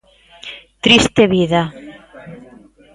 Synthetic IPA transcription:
t̪ɾist̪eβiða

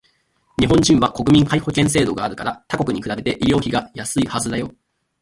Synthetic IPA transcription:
ɲiɦõ̞ɲ̟d͡ʑĩɰ̃βako̞kɯ̟mʲĩŋkaiho̞kẽ̞ɰ̃s̬e̞ːd̪o̞ɡaːɾɯ̟kaɾat̪ako̞kɯ̟ɲikɯ̟ɾabe̞t̪e̞ʔiɾʲjo̞ːçiɡajasɨihazɨd̪ajo̞

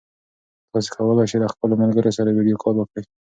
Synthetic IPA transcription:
t̪ɑs̬e̥kʰawəlajʃelaxpəlomalɡəɾosaɾawiɖijokʰɑɾwəkɽə

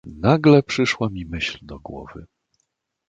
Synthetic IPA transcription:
naɡlɛpʂɘʂwamʲimɘɕld̪ɔɡwɔ̰vɘ̰

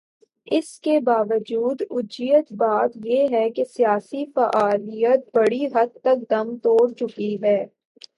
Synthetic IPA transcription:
ɪskebaːʋəd͡ʒuːd̪ʊd͡ʒijət̪baːt̪jeːɦɛkesijaːsifɐʔaːlijət̪̚bɐɽiɦɐd̪̚t̪ɐk̚d̪ɐmt̪oːɽt͡ʃʊkiɦɛː

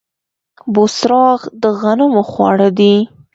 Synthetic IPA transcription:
bosɾɑɣd̪əɣanəmoxwɑ̰ɽəd̪i

